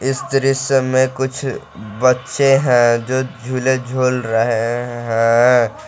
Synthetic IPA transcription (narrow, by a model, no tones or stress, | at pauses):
ɪst̪ɾisəmẽkʊt͡ʃʰ | bətːʃeɦɛ̃d͡ʒoːd͡ʒʱuːled͡ʒʱoːlɾəɦeɦɛ̃